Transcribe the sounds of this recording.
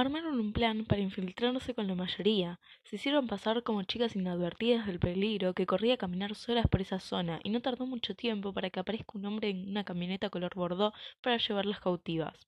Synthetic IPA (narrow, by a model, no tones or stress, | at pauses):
aɾmaɾo̞numplanpaɾaiɱfilt̪ɾaɾse̞ko̞nlamaʃo̞ɾiase̞isje̞ɾo̞mpasaɾko̞mo̞t͡ʃikasinaðβeɾt̪iðazðe̞lpe̞liɣɾo̞ke̞ko̞riakamĩnaɾso̞laspo̞ɾe̞saso̞naʔḭno̞t̪aɾðo̞mut͡ʃo̞t̪je̞mpo̞paɾakeapaɾe̞hkaunmbɾe̞ːnunakamjo̞ne̞t̪akolo̞ɾβo̞ɾð̞o̞paɾaʃe̞β̞aɾlaskawt̪iβ̞a̰s